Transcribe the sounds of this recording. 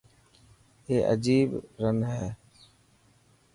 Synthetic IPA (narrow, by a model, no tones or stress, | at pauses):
ɦeːʔə̰d͡ʒiːbɾənɦɛː